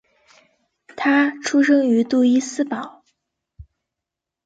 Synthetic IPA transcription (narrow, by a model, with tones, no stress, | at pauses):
t̪ʰa˥ʈ͡ʂʰu˥ʂɤ˥ŋy˧˥t̪u˥˩i˥sɹ̩˥pɑ˨˩˦ʊ